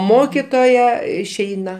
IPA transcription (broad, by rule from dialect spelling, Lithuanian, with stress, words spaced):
ˈmoːkʲɪtoːjɛ ɪʃʲˈɛɪnɐ